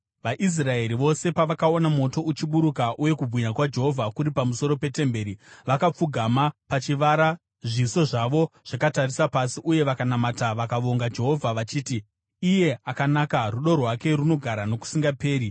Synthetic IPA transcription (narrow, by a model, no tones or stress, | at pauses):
ʋaʔis̬rae̞ɾiʋo̞se̞paʋakaonamo̞to̞ʔut͡ʃiɓuɾukaʔuje̞kubʱwiɲakwad͡ʒe̞ɦo̞vʱakuɾipamuso̞ɾo̞pe̞te̞mbe̞ːɾiʋakap͡fuɡʱamapat͡ʃiʋaɾa | ʐiso̞ʐaʋo̞ʐ̥akatarisapasiʔuje̞ʋakanamataʋakaʋo̞ŋɡad͡ʒe̞ɦo̞vʱaʋat͡ʃiːtiː | je̞akanakaruɗo̞rwake̞runo̞ɡʱaɾano̞ku̥siŋɡape̞ːɾi